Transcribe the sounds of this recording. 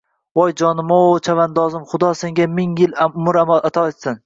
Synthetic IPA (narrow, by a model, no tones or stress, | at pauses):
bɒjd͡ʒɒnɪmaot͡ʃʰavand̪ɒzɪmχʊd̪ɒse̞ŋɡʲamɪŋjɪlaʊmʊɾamalˠat̪ʰɒet̪sɪn